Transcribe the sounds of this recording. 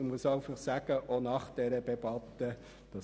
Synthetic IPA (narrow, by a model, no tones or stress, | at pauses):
muəsɑɪfɑχsæɡ̥əʔonɑχd̥ɛɾəd̥ɛbɑt̪ːə | d̪̥ɑ